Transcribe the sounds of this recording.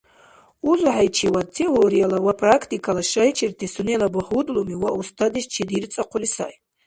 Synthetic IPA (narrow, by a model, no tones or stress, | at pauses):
uzħajt͡ʃʰiwatʰeoɾijalawapʰrakʰtʰʼikʰalaʃajt͡ʃʰirtʰisunelabɨħudlumiwaustʰadiʃt͡ʃʰidirt͡sʼaqʷʰʊlisa̰j